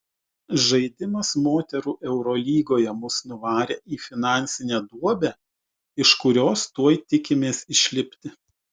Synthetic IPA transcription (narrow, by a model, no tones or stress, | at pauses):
ʒɐɪd̪ʲɪmɐsmoːt̪ʲɛɾuːʔɛʊɾɔlʲiːɡoːjɛmʊsnʊʋɑːɾʲeːʔiːfʲɪnɑˑnʲsʲɪnʲɛd̪uɔbʲɛː | ɪʃkʊɾʲoːst̪uɔjt̪ʲɪkʲɪmʲeːsɪʃʲlʲɪpʲt̪ʲɪ